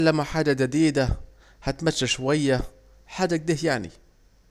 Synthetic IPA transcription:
lːamaħaːdad͡ʒad̪iːd̪a | hat̪maːaʃwajːa | ħaːdak̚d̪iːhjaʕnḭ

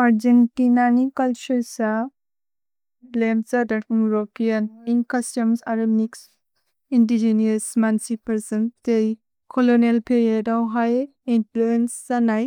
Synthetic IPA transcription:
aɾd͡ʒentinanikɐlt͡ʃuɾsa | lemsadɐjuɾopijaninkɐstɔmsaɾobniks | indid͡ʒeniasmansipɐɾsɐntej | kʰɔlonelpʰeɾiedawɦaj | intluensːanaj

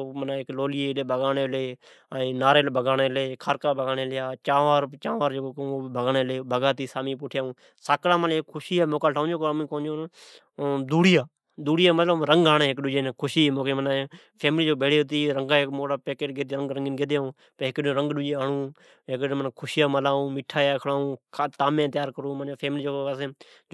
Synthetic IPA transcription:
omənaɪkloːljeːleːbʱəɡaːneːleː | aːĩːnaːɾeːlːbʱəɡaːneːleːkʰaːɾkaːbʱəɡaːneːlɪjaːt͡ʃãːʋaːɾt͡ʃãːʋaːɾekoːkːoːbʱəɡaːneːleːbʱəɡaːt̪iːsaːmiːp̬ʊʈʰjaːũː | saːklãːmənːkkʰʊʃiːaːmoːkaːʈʰaːʊ̃d͡ʒoːkoəmĩːkoːnd͡ʒoːn | d̪uːɽijaː | d̪uːɽijaːmət̪ləbɾəŋɡaːɳẽːɦɪkɗʊd͡ʒẽːnkʰʊʃiːmoːkeːmənː | pʰeːmliːd͡ʒoːbʱeːɽeːʊt̪iːɾəŋɡaːekmoːɽaːpeːkeːʈɡeːd̪ɾəŋɡɾəŋɡɪnɡeːd̪jaːũː | pəɦɪkɗ̃ːɾə̃ŋɡɗʊd͡ʒeːaːɳũː | ɦɪkːmənkʰʊʃjaːməlaːũːmɪʈʰaːjaːkʰɽaːũːkʰat̪aːmjẽːt̪jaːɾkəɾũːmənapʰeːmliːd͡ʒoːkoasẽː

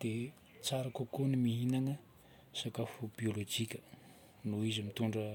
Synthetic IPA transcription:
d̪̥e | t͡saɾakukonimiɦinaŋə | sakafubiolod͡ʒikʲə̥ | nuizimit̪uɳɖ͡ʐə

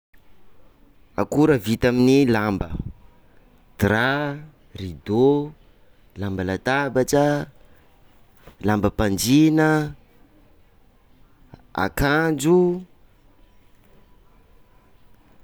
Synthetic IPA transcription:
a̰kuɾəvit̪aminilambə̰ | d̪̥ra | rid̪o | lambəlat̪abaʈ͡ʂə | lambəpand͡ʒinə | a̰kand͡ʒu

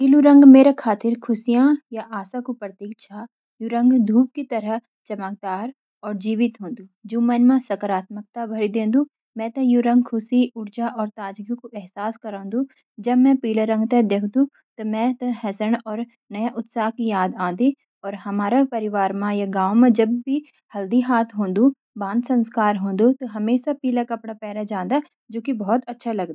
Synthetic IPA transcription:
piːluɾɐ̃ŋɡmeːɾakʰaːt̪ɪɾkʰʊsijãjaʔaːsakupɾɐt̪iːkt͡ʃʰa | juɾɐ̃ŋɡd̪ʱuːp̚kit̪ɐɾəɦ | t͡ʃɐmək̚d̪aːɾ | ɔːɾd͡ʒiːʋɪt̪ɦõːnd̪uːd͡ʒoːmɐnmãsɐkəɾaːt̪̚mək̚t̪abʱɐɾid̪ẽːnd̪ũː | mɛ̃t̪ɐjuɾɐ̃ŋɡkʰʊsiʊɾd͡ʒaʔɔːɾt̪aːd͡ʒɡjũkoʔɛɦsaːskɐɾãːnd̪ũ | d͡ʒɐbmɛ̃piːlaɾə̃ŋɡt̪ed̪eːkʰd̪ũ | t̪omɛ̃t̪ɐ̃ɦɛːsəɽɔːɾ | nɐjaʔʊt̪saːɦkijaːd̪ãːnd̪i | ɔːɾɦɐmaːɾapɐɾɪʋaːɾmãjaɡãːwmãd͡ʒɐbːi | hɐld̪iɦaːt̪ʰɦõːnd̪ũ | bãːnd̪sɐ̃nskaːɾɦõːnd̪ut̪oɦɐmeːʃapiːlakɐpɽapɛːɾad͡ʒãːnd̪a | d͡ʒoːkibɔɦɔt̪ɐtːʃʰalɐɡd̪aː

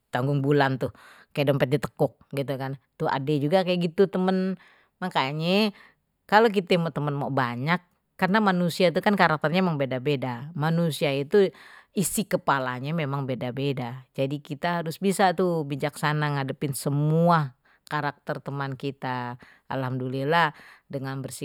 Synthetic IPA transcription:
t̪aŋɡʊŋbulant̪ʊhkajadompɛt̪̚dit̪ə̥kʊk̚ɡit̪̬ukant̪ua̰dɛd͡ʒuɡakajaɡit̪ut̪əmən | makaɲɛ | kalok̬it̪ɛmoʔt̪əmənmoʔbaɲakː | arnamanusiait̪ukankaɾak̚t̪ərɲaemaŋbedabedamanusiait̪uisikəpalaɲamemaŋbedabedad͡ʒadikit̪aɦaɾʊsbisat̪ubid͡ʒaksanaŋadəpɪnsəmua | kaɾak̚t̪ərt̪əmankit̪a | a̰lhamduliladəŋanbərsi

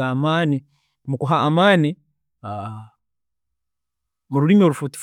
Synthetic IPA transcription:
aːmaːni | mukuɦaʔːmaːni | a | muɾuɾimoɾufuti̥f

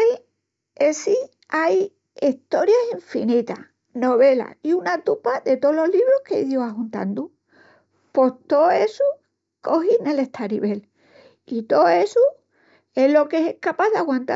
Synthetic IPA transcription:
el | esi | aj | iht̪o̞ɾjasiɱfinit̪a̰ | no̞βe̞la̰iunat̪upaðe̞t̪olo̞ɦliβɾohkeiðjoaɦunt̪a̰nd̪u | po̞ht̪o̞esu | ko̞ɦine̞le̞ht̪ʰaɾiβe̞l | it̪o̞e̞su | e̞ɦlo̞kesehkapaðeaɣwant̪a

